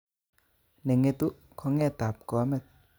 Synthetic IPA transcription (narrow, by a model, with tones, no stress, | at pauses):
ne˨ŋːe˧t̪u˦ʔ | kʰɔ˧˦ŋːɛ˥˨t̪aː˨˩˨p̚kɔ˨a˦mɛ˧˨t̚